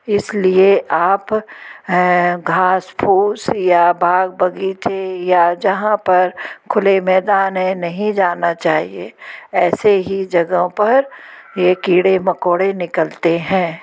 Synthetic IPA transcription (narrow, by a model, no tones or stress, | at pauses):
ɪslieʔaːp | ɡʱaːspʰuːsjabʱaːɡ̚bɐɡiːt͡ʃejad͡ʒɐɦãpɐɾkʰʊlemɛːd̪aːnɦɛ̃nɐɦĩd͡ʒaːnat͡ʃaːɦieɛːseɦid͡ʒɐɡõpɐɾjekiːɽemɐkoːɽenɪkəlt̪eɦɛ̃ː